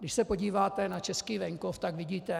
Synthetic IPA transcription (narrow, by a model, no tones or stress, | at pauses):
ɡdɪʃsɛpo̞ɟiːvaːt̪ɛnat͡ʃɛskiːvɛŋkoft̪aɡvɪɟiːt̪ɛ